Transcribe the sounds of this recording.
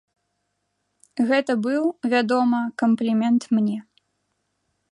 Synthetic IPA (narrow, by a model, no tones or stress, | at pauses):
ɣɛt̪ɐbɨwvʲad̪ɔmɐkɐmplʲimʲɛnt̪mnʲɛ